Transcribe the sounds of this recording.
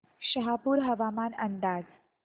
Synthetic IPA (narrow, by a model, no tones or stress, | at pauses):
ɕəɦapuːɾɦəʋamanənd̪aːd͡z